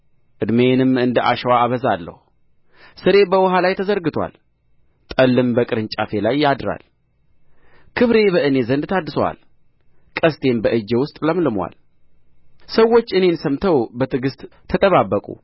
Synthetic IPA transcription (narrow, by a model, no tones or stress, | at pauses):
ʔɨd̪menɨmɨnd̪əʔa̰ʃɛwaːβəzalːə̰hu | sɨɾe̞bəwɔɦalajt̪ʰəzəɾɡɨt̪ʰwa̰l | t̪ʼəlːɨmbəkʼɨɾɨnt͡ʃʼa̰fe̞lajːad̪ɾa̰l | kʰɨβɾe̞bəʔɨne̞zənd̪t̪ʰad̪ɨsəwa̰l | kʼəst̪ʰʼe̞mbəʔɨd͡ʒewʊst̪ʼləmlɨmwa̰l | səwːo̞t͡ʃːɨne̞nsəmt̪ʰəwbət̪ʰɨɡɨst̪ʼʰːət̪ʼəβabːəkʼṵ